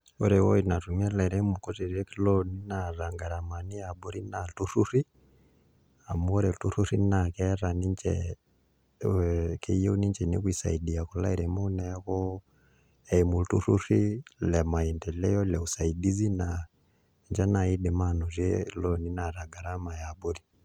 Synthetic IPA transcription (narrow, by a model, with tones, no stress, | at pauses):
u˦ɾɛwɔ̰˦ina˨tu˨mɛ˦la˨i˨ɾɛ˦muku˦ti˨ɾɛ˦kilɔni˦naɾa˨ŋɡa˨ɾa˨ma˨ni˦a˨ɓu˦ɾi˦na˨tuɾuɾi˦ | a˨mu˦ɾɛ˨tu˦ɾuɾi˦nakɛɾa˨ni˦ɲt͡ʃɛ̰ | kḛje˦u˦ni˦ɲt͡ʃɛnḭ˦kwi˨sa̰˨idi˨a˨ku˨la̰˦iɾɛ˨munɛ˦kɔ˦ | emu˨tu˦ɾu˦ɾi˦lɛma˨i˨ntɛ˨lɛ˦jɔ˦lɛ˨usa˨idi˦zi˦na | ɲd͡ʒa˦na˨i˦di˨ma˦no˨zjɛ̰lɔni˦na˨ɾa˨ɡa˨ɾa˦ma˨ja˨bu˦ɾi